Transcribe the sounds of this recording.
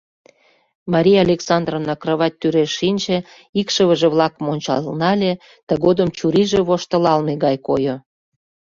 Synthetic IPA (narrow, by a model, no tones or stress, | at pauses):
mɑɾʲijɑlʲeksɑnd̪rovnɑkrəβɑt̚ʲt̪yɾeʃːinʲt͡ɕĕ | ikʃəβəʒĕβlɑkəmonʲt͡ɕɑ̰lnɑlʲe | t̪ə̆ɣod̪əmt͡ɕuɾiʒeβoʃt̪ə̆lɑlmeɡɑjkojo